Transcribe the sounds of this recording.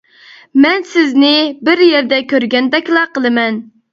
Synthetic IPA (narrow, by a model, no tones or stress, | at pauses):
mɛnsɪznɪbɪɾjeɾd̪ɛkʲʰøɾɡʲɛnd̪ɛkʲlˠɑqəlˠɨmɛn